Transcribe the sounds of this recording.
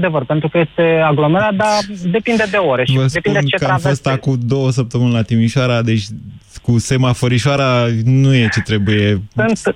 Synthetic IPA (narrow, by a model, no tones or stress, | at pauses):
d̪e̞vərpe̞nt̪ɾukəje̞st̪e̞aɡlo̞meɾat̪̚d̪ad̪e̞pind̪ed̪e̞oɾe̞ʃivəsd̪einud̪et͡ʃekəaavfo̞st̪akud̪o̞wəs̬əp̚t̪əmɨnelat̪imiʃaɾad̪e̞t͡ʃʲ | kuse̞mafəɾiʃoaɾanuje̞t͡ʃe̞t̪ɾe̞buje̞ɨn